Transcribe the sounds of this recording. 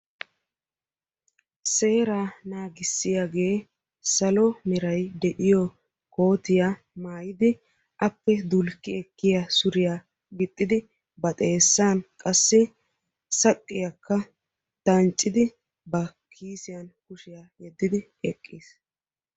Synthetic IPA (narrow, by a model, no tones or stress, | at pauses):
se̞ːɾaːnaːɡɪsːɪjaɡe̞ː | sɐlɔmɪɾɐjd̪ɛʔɪjɔ | ko̞ːt̪ɪja | maːjɪd̪ɪ | ʔɐpːɛd̪ʊlkːɪɛkːɪjasʊɾɪjaː | ɡɪt̪ʼːɪd̪ɪ | bɐt̪ʼe̞ːsːaːnkʼɐsːɪ | sɐkʼːɪjakːɐ | t̪ɐnt͡ʃʼːɪd̪ɪ | bɐ | kʰiːsɪjɐnkʊʃɪjaːjɛd̪ːɪd̪ɪ | ɛkʼːiːs